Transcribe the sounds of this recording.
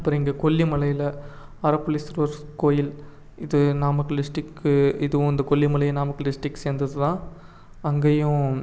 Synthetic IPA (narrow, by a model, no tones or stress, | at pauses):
ɐpːɐːɾɐ̃ɪŋɡɐkɔɭːimɐlɐjɪlɐ | ɐɾɐpːɯlisɪɾʋɐɾkoːjɪl | ɪðɯnaːmɐkːɯɖɪsʈɪkːɪðɯʋʊ̃ɪnd̪ɐkɔɭːimɐɭɐjnaːmɐkːɯɖɪsʈɪkːseːnd̪ɐðɯt̪ãː | ɐŋɡeːjʊ̃